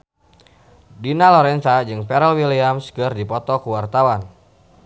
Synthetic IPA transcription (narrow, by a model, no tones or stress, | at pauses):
dinalɔɾɛnt̪ad͡ʒɨŋpɛɾɛlwiliamskɨrdipɔt̪ɔkuwart̪awan